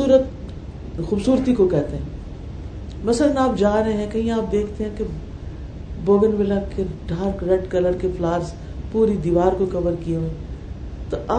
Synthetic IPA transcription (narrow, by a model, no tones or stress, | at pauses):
uːɾət̪ | xuːbsuːɾt̪ikokɛːt̪eɦɛ̃ː | mɐsələnaːp̚d͡ʒaːɾɐɦẽɦɛ̃kɐɦĩaːp̚d̪eːkʰt̪eɦɛ̃ke | boːɡənʋɪlakeɖʱaːɾkɾɛɖkɐləɾkeflaːɾs | puːɾid̪iːʋaːɾkokɐʋəɾkijeẽː | t̪oʔaː